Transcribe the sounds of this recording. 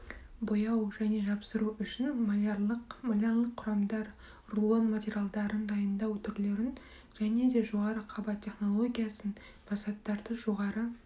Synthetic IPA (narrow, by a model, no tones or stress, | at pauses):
bojɑwʒæne̞ʒɑpsəɾuʏʃɪnmqmalʲerlˠəqʰːʊɾɑmd̪ɑɾ | rlˠonmat̪ʲeɾʲjalˠd̪ɑɾənd̪ɑjənd̪ɑwt̪ʰʏɾle̞ɾɪn | ʒ̥æne̞d̪e̞ʒo̞ʁɑɾəqʰɑbɑt̪ʲʰːe̞χno̞lˠo̞ɡʲijɑsən | b̥ʰɑsɑt̪ːɑɾd̪əʒo̞ʁɑɾə